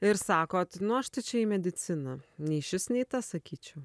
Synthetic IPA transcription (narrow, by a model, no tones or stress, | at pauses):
ɪɾsɑːkoːt̪nʊɐʃt̪ɐɪt͡ʃʲɛiːmʲɛd̪ʲɪt̪sʲɪnɐnʲɛɪʃʲɪsnʲɛɪt̪ɐsɐkʲiːt͡ʃʲɛʊ